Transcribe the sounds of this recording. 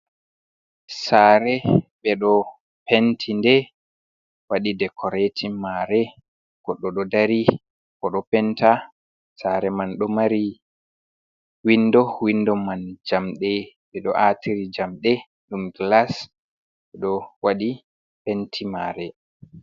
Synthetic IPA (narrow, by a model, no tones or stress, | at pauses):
saɾɛɓɛɗɔ | pentʰindɛ | waɗidɛkʰɔɾetʰimaɾɛ | kɔɗɔɗɔdaɾi | kɔɗɔpɛnta | saɾɛmanɗɔmaɾi | windɔwindɔmand͡ʒamɗɛ | ɓɛɗɔʔatiɾid͡ʒamɗɛ | ɗumɡlas | ɓɛɗɔwaɗi | pɛntʰimaːɾɛ